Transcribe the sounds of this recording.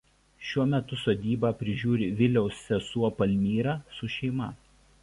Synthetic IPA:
ʃʲuɔmʲɛt̪ʊsoːd̪ʲiːbɑːpʲɾʲɪʒʲuːɾʲɪʋʲɪlʲɛʊsːʲɛsuɔpɐlʲmʲiːɾɑːsʊʃʲɛɪmɐ

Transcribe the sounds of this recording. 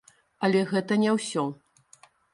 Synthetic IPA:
ɐlʲɛɣɛt̪ɐnʲɛwsʲɔ

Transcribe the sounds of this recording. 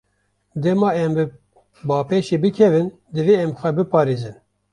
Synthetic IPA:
d̪ɛmɑːɛmbɨ | bɑːpeːʃeːbɨkʰɛvɨn | d̪ɨveɛmxʷɛbɨpɑːɾeːzɨn

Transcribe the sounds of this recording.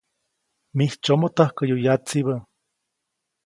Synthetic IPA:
miht͡ʃomot̪ahkajojat͡siβa

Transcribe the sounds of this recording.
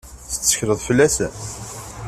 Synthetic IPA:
θə̥ːə̥çɾəðˤfəlːæsæ

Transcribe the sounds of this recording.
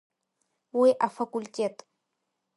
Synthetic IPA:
wiʔafakulʲtʲetʼ

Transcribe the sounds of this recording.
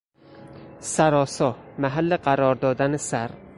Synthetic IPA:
saɾɒsɒmaɦalːɪqʰaɾɒɾd̪ɒd̪anɪsaɾ

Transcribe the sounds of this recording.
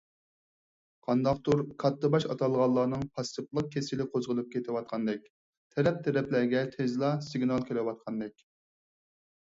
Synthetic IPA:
qʰɑnd̪ɑqt̪ʰuɾkʰɑt̪ːɨbɑʃɑ̰t̪ʰɑlˠʁɑlˠːɑːnɨŋpʰɑst̪ɨplˠəq̚kʲʰesɪlɪqʰozʁəlˠɨp̚kʲʰet̪ʰɪwɑt̪̚qʰɑnd̪ɪk̚ʲ | t̪ʰɛɾɛp̚t̪ʰɛɾɛplæɾɡʲɛt̪ʰezlˠɑsɪɡnɑlˠkʲʰelɪwɑt̪̚qʰɑnd̪ɪkʲ

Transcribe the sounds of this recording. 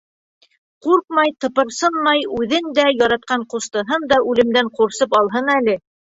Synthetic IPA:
quɾq̚mɑjt̪ɤ̆pɤ̆ɾsɤnmɑjʉðɘnd̪æjɑɾɑt̪̚qɑɴqust̪ɤ̆ɦɤnd̪ɑʉlɘ̆md̪æɴquɾsɤpɑlˠɦɤnælɘ

